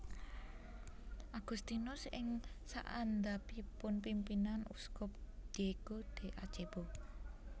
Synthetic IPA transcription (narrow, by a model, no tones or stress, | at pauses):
ʔaɡ̥ust̪inʊsɪŋsa̰ʔand̪apipʊnpimpinanṵskɔp̚d͡ʒ̥eɡ̥od̪̥e̤ʔḁt͡ʃeb̥o